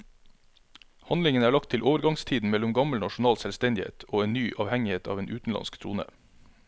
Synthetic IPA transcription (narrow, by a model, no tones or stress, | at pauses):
hɑnlɪŋənæːɭɑk̚t̪ʰɪlʔoːʋəɾɡɑŋst̪ʰiːd̪n̩mɛlʊmɡɑməlnɑʃʊn̩ɑːlsɛlst̪ɛnd̪ɪhḛːt̪ʰoːeːnnyːʔɑːʋhɛŋɪheːt̪ʰɑ̰ʋeːnʔʉːt̪n̩lɑ̰nskt̪ʰɾṵːnə̰